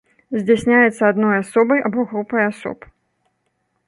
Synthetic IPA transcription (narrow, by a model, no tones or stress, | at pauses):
zʲd͡zʲasʲnʲajɛt̪sːɐad̪nɔjasɔbɐjʔabɔɣɾupɐjasɔ̰p